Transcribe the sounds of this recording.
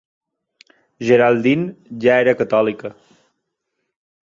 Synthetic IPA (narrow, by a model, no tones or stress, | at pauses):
ʒeɾalˠd̪inʒaeɾəkət̪ɔlikə